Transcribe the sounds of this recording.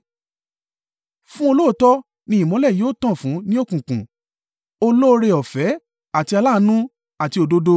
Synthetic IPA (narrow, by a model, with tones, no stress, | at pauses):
fũ˦o˧lo˦o˦tɔ˦ | nĩ˧˦ĩ˨mɔ̃˨˦lɛ˦˨joː˦˨taɔ̃˦˨fũ˨˦nĩ˦o˦˨kũ˨kũ˨ | o˧lo˦˧ɾe˧ɔ˨fɛ˨˦ | a˦˨ti˧a˧la˦˧˦nũ˦ | a˨ti˧o˧do˧do˧